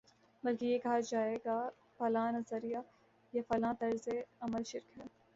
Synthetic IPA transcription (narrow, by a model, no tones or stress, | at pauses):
bɐlkijekɐɦad͡ʒaːeːɡa | fɐlaːnɐzəɾija | jefɐlãːt̪ɐɾzeɐməlʃɪɾkɦɛː